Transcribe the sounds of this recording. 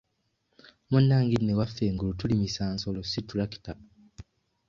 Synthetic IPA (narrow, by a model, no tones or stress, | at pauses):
munːaːŋɡinːewafːeːŋɡulutulimisaːnso̞lositulaki̥ta